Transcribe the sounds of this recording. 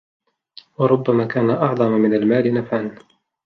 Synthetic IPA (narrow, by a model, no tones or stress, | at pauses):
wɑɾˤʊbːamaːkaːnaʔɑʕd̪ˤɑmamɪnalmaːlɪnafʕan